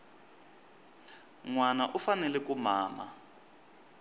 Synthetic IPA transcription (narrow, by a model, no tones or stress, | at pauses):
ŋwanaʔufanɛlɛkumaːma̰